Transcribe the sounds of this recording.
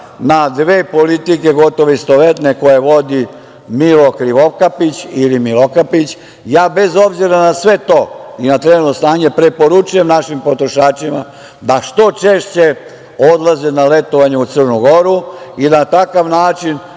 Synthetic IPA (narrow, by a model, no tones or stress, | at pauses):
nad̪ʋe̞ːpo̞lit̪ike̞ɡo̞t̪o̞ʋeist̪o̞ʋet̪neko̞jeʋo̞d̪i | milo̞kɾiʋokapit͡ɕilimilokapit͡ɕ | jaːbe̞zo̞bziɾanasʋe̞t̪o̞ːinat̪ɾenut̪nost̪aːɲepɾe̞po̞ɾut͡ʃuje̞mnaʃimpo̞t̪ɾo̞ʃaːt͡ʃima | d̪aʃt̪o̞t͡ʃe̞ːʃt͡ɕe̞ | o̞d̪lˠazenale̞t̪oʋaɲeut̪sɨrnuɡo̞ɾuid̪at̪akaʋnaːt͡ʃin